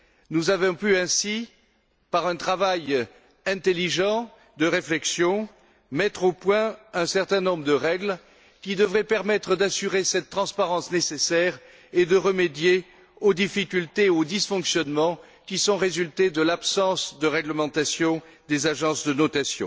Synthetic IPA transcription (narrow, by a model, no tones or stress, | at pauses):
nuzavɔ̃pyɛ̃si | paʁɛ̃t̪χavaj | ɛ̃t̪eliʒɑ̃ | d̪əʁeflɛksjɔ̃ | mɛt̪χopwɛ̃ɛ̃sɛʁt̪ɛ̃nɔ̃bʁəd̪əʁɛɡl | kʲid̪əvʁɛpɛʁmɛt̪χəd̪asyʁesɛt̪ːχɑ̃spaʁɑ̃snesesɛʁ | ed̪əʁəmed̪je | od̪ifikʲylt̪eod̪isfɔ̃ksjɔnmɑ̃ | kʲisɔ̃ʁezylt̪ed̪əlapsɑ̃sd̪əʁɛɡləmɑ̃t̪asjɔ̃ | d̪ezaʒɑ̃sd̪ənɔt̪asjɔ̰̃